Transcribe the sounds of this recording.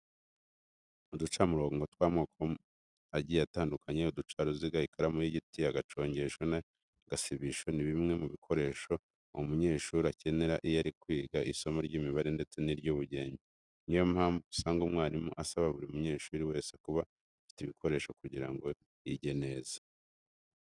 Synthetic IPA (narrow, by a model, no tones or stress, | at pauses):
udut͡ʃamuɾoːŋɡo̞twaːmŋoːkʰo | aɟieataːndukaɲeudut͡ʃaɾuziɡaikʰaɾamujiɟitiaɡat͡ʃo̞ːɲɟe̞ʃona | ɡ̥asiβiʃo̞niβimŋe̞muβikʰo̞ɾe̞ːʃo̞ | omuɲe̞ːʃuɾace̞ne̞ɾaʔijaɾikwiːɡaʔiso̞moɾɟiːmiβaɾe̞nde̞t͡se̞niɾɟoβuɟe̞ːɲɟe | nijomhaːɱvusaːŋɡumŋaːɾimuʔasaβaβuɾiumuɲe̞ːʃuːɾiwe̞ːsekuβa | fi̥tiβikʰo̞ɾe̞ːʃo̞kuɟiɾaŋɡo̞ | iɟe̞ne̞zḁ